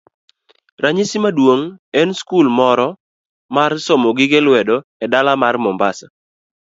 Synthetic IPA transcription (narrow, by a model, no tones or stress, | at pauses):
raɲɪsimadwoŋɛnskulmɔɾɔ | marsɔmɔɡɪɡelwɛdɔɛdalamarmɔmbasa